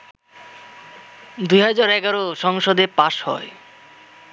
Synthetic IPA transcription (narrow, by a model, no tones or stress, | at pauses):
d̪ujɦad͡ʑaɾɛɡaɾoʃɔŋʃod̪eɾpaʃhɔ̰e